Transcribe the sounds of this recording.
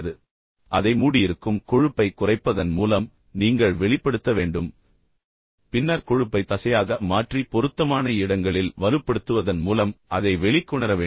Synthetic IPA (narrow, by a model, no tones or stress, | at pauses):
ðɯ | ʔɐðɐɪmuːɽɪjɪɾɯkːɯmkɔɻɯpːɐɪkːʊrɐɪpːɐðɐnmuːlɐm | niːŋɡɐɭʋɛɭɪpːɐɽɯt̪ːɐʋeːɳɖɯm | pɪnːɐɾkɔɻɯpːɐɪt̪ːɐsɐjaːɣɐmaːʈripɔɾɯt̪ːɐmaːnɐɪɽɐŋɡɐɭɪlʋɐɾɯpːɐɽɯt̪ːɯʋɐðɐnmuːlɐmʔɐðɐɪʋɛɭɪkːʊɳɐɾɐʋeː